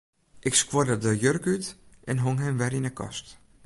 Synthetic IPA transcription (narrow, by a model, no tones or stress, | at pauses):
ʔɪkskwodədəjørkytʔɛnɦoŋɦɛmʋɛɾinəkʰɔ̰st